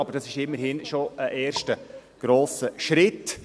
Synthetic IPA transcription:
ɑb̥əɾd̥ɑsɪʃɪmːəɾhɪnʃoʔəʔeːɾʃtəɡ̥ɾoːsəʃɾɪt

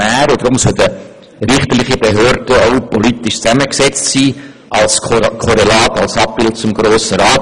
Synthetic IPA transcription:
æːɾod̥̪ɾʊmsœldə | ɾɪχt̪əlɪχib̥eɦøːɾd̥əoʊpɔlitɪʃt͡sæməksɛt͡stsiː | ʔɑlskʰɔɾelɑːtɑlsɑp̚b̥ɪlt̚t͡sʊmɡɾoːsəɾɑːt

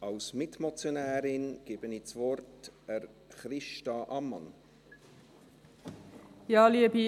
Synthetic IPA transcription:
ɑlsmɪtmɔt͡sjonæːɾɪnɡ̥ɪb̥ənit͡svɔrtɛɾ | χɾɪʃtɑʔɑmːɑn | jɑːliəbi

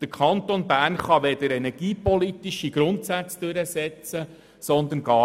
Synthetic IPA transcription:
d̥əɾkʰɑnt̪onbæːɾnχɑʋɛd̪əɾɛnɛɾɡ̥iːpɔlit̪iʃiɡ̥ɾʊnt̪sæt͡sd̥øɾəsɛt͡sə | sɔnd̪ənɡɑː

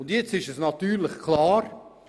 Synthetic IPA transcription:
ʊndjɛt͡sɪʃɛsnɑtyːɾlɪχkʰlaːɾ

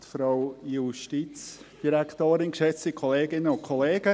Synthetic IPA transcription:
t̪fɾawjuʃtit͡sd̥iɾakʰtoːɾɪnkʃɛt͡sikʰɔleːɡɪnəʊnkʰoleːɡ̥ə

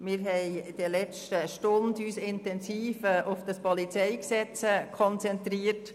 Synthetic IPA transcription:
mɪɾɦɛɪd̥əlɛt͡stəʃtʊndyːsɪntɛnsiːfəʔʊfd̥ɑspɔlit͡sɛɪksɛt͡səkʰɔnt͡sɛntɾiːət

